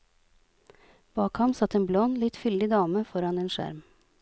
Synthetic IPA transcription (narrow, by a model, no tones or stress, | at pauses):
b̥ɑːkhɑmsɑt̪eːnblɔnlɪt̪fʏld̪ɪd̪ɑːməfɔɾɑneːnʃæ̰ɾm